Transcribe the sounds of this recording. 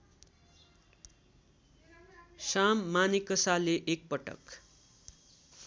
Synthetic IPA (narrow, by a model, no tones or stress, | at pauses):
samːanikʌsaleʔek̚pʌʈʌ̰k